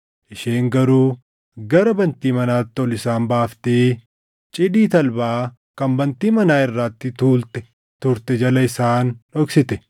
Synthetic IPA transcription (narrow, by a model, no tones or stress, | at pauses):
ʔɪʃeːŋɡɐɾuː | ɡɐɾɐbɐnt̪iːmɐnaːt̪ːɪɔlɪsaːmbaːft̪iː | t͡ʃʼɪd̪iːt̪ɐlbaː | kɐmbɐnt̪iːmɐnaːɪrːaːt̪ːɪt̪uːlt̪ɛ̥ | t̪ʊɾt̪ɛd͡ʒɐlɐɪsaːnɔksɪt̪ɛ